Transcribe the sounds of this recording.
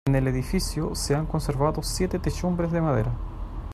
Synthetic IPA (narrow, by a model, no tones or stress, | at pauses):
eneleðifisjoseaŋkonseɾvaðosjet̪et̪eʃumbɾezðemaðḛɾa